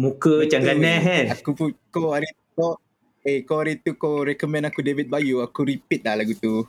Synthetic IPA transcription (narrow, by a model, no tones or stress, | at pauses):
mũkət͡ʃaŋɡanɛɦɛakupukoaɾit̪uko | ekoaɾit̪ukoɾɛkɔmɛ̃nakudevit̪̚bajuakuɾipit̪̚lahlaɡut̪u